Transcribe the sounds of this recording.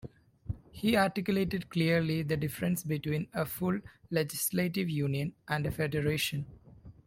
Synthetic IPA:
hiːaːɾʈɪkjʊleːʈɪɖkliəɾlid̪əɖɪfəɾə̃nsbɪʈwĩːnəfʊlled͡ʒɪsleːʈɪʋjũːnijə̃nʔæ̃ɳɖəfeɖəɾeːʃə̃n

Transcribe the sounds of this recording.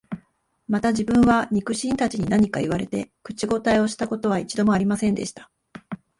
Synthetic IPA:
mat̪aʑibɯ̟̃ɰ̃βaɲ̟ikɯ̟ɕĩnt̪at͡ɕiɲ̟inaɲ̟ikaiβ̞aɾe̞t̪e̞̰kɯ̟̥t͡ɕiɡo̞t̪aio̞ɕi̥t̪ako̞t̪o̞β̞ait͡ɕid̪o̞mo̞aɾʲimasẽ̞nd̪e̞̰ɕi̥t̪ḁ

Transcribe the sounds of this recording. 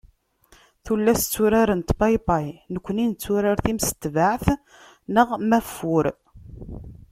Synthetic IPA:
θulːæst͡sːuɾaɾənt̪bɑjpɑjnəkʷːənint͡sːuɾəɾθimsə̥t̪ːvaʕθ | nəʁmæfːʊɾ

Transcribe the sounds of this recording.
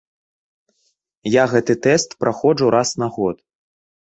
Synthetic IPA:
jaɣɛt̪ɨt̪ɛst̪pɾʔaxɔʐuɾʔasnaɣɔt̪

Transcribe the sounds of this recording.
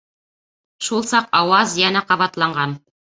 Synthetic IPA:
ʃulˠsɑqɑwɑzjænæqɑβɑt̪lˠɑɴɢɑn

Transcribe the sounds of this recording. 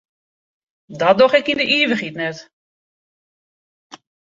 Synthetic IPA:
dɔt̚dɔxɛkindəʔiːʋəxitnɛt

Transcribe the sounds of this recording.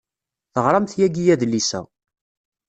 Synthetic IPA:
θəʁɾˤɑmθjæɡijæðlisæ̰

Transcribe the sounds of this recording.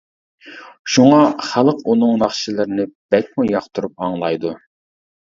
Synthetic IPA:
ʃuŋɑχælˠəqunɨŋnɑχʃilˠɨɾnɪb̥ɛk̚ʲmujɑχt̪ʰuɾup̚ɑŋlˠɑjd̪u

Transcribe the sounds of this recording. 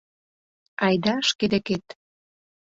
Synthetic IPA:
ɑjd̪ɑʃked̪eket̪

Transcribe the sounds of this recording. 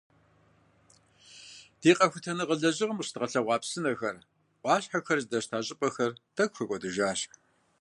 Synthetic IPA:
d̥eːqʼɐxʷʊtʰɐnɨʁəɮɐʑɪʁɐmɕtʁɐɬɐʁʷɑːpsɨnɐxɐr | ʔʷʼɑːɕħɐxɐrzdɐɕtʰaːɕʼɪpʼɐxɐrd̥ɐkʷʼxɐkʷʼɔdɨʒaːɕ

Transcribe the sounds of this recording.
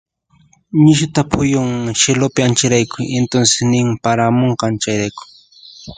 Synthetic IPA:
ɲɪʃ̬ʊt̪apʰʊjʊŋʃelʊpɪant͡ʃɪɾajkʊjent̪onsɪ̥snɪmpaɾamoɴqɑnt͡ʃajɾajkʊ̥

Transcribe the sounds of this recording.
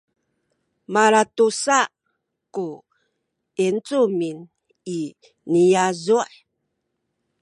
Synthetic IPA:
maɾatusa | ku | ent͡sumin | i | nijazuʔ

